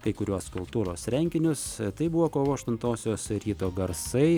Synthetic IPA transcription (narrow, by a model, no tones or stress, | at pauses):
kɐɪkʊɾʲuɔskʊlˠt̪uːɾoːsɾʲɛŋʲkʲɪnʲʊst̪ɐɪbʊʋoːkoːʋoːɐʃt̪ʊnt̪oːsʲoːsɾʲiːt̪oːɡɐɾsɐɪ